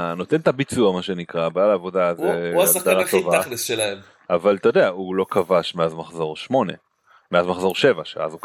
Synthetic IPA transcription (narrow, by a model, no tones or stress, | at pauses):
no̞t̪ent̪abit͡suamaʃe̞nikʁabaːlaːvo̞d̪azeasd̪aʁat̪ovaalesʃelaem | avalt̪ojod̪eaulo̞kavaʃmeazmaχzo̞ʁʃmo̞ne̞ | meazmaχzo̞ʁʃe̞vaʃḛa̰zuk